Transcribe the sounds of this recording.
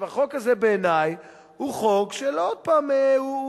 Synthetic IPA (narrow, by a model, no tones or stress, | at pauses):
vaχo̞kazebeːnaj | huχokʃelood̪̚paːmeu